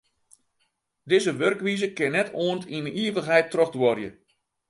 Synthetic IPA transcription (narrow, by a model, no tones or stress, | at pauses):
dɪzəʋørkʋizəkɪnɛtʰoəntinəiːəʋəxɦɛjtːrɔxdwɔrjə